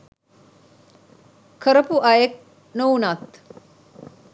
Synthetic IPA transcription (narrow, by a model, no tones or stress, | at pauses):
kʰəɾɐpuʔɐjek̚ | nownat̪